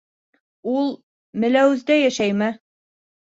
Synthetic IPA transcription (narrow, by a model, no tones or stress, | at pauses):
ulˠ | mɘ̆læwɘ̆zd̪æjæʃæjmɘ